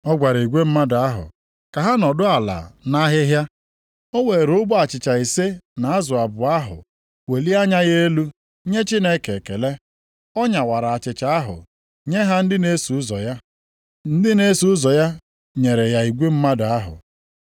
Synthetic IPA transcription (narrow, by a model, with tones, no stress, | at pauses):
ɔ˦ɡʷa˨ɾa˨i˨ɡʷe˦m̩˦ma˦da˨a˦ɦʊ̰˨ | ka˨ɦa˦nɔ˨dʊ˦a˨la̰˨na˦ɦɪ˦ɦja˦ | o˦we˨ɾʊ˦bʊ˦a˨t͡ʃɪ˨t͡ʃa˨i˨se˦na˨a˦zʊ˨a˨bʊ˨a˦ɦʊ̰˨ | we˨li˦a˦ɲa˦ɣe˦lu˦ | ɲe˦t͡ʃi˦ne˦ke˨ke˨le˦ | ɔ˦ɲa˨wa˨ɾa˨a˨t͡ʃɪ˨t͡ʃa˨a˦ɦʊ̰˨ | ɲe˦ɦa˦n̩˦dɪ˦ne˦su˨ʊ˦zɔ̰˨ja˦ | n̩˦dɪ˦ne˦su˨ʊ˦zɔ˨ja˦ | ɲe˨ɾe˨ja˨i˨ɡʷe˦m̩˦ma˦da˨a˦ɦʊ̰˨